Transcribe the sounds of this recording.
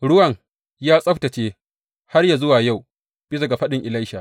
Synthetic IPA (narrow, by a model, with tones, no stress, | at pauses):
ɽʊ˦wɐ˨ŋ | jaː˦sʼɐ˦ɸtɐ˨t͡ʃeː˦ | ha˦rja˨zʊ˦waː˨ja˦˨w | b̥ɪ˦s̬ɐ˨ɡa˨ɸɐ˦ɗɪ˨ŋʔɪ˨la˦jʃa˨ʔ